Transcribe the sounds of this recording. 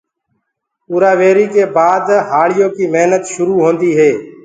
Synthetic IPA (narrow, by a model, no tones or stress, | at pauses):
uːɾaːʋeːɾiːkeːbaːd̪ɦaːɭɪjõːkiːmeɦnət̪ʃʊɾuːɦõːnd̪iːɦeː